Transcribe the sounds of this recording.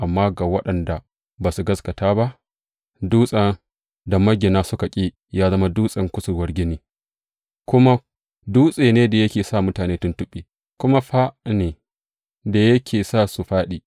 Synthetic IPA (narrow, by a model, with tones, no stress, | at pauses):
ʔa˨mːaː˦ɡa˨wɐ˦ɗɐ˨nda˨ | baː˨su˨ɡɐ˦skɐ˨taː˦ba˦ʔ | duː˦sʼa˦ | da˨mɐ˦ɡʲːe˨naː˦sʊ˦ka˨kʲʼeː˦ | jaː˦zɐ˦ma˦duː˦sʼɐ˦ŋkʷʊ˦sʊ˨ɾwɐ˦rɡʲɪ˦niː˦ | kʷʊ˦ma˦ | duː˦sʼeː˨neː˦da˨jɐ˦kʲeː˨sa˦˨mʊ˦taː˨neː˦tʊ˦ntʊ˦ɓʼeː˨ | kʷʊ˦ma˦ɸa˦neː˨ | da˨jɐ˦kʲʰeː˨saː˦˨su˨ɸaː˦ɗiː˨